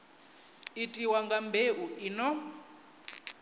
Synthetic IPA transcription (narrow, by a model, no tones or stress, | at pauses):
itʼiwaŋɡambʱeʔuʔinɔ